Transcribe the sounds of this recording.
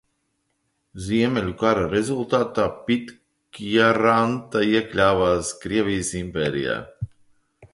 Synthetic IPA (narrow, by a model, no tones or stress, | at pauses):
zʲiɛmʲelʲukaɾaɾezulˠt̪aːt̪aːpit̪ | kjaɾant̪aiɛklʲaːvaːskɾiɛvʲijəsimpʲɛːɾḭja̰ː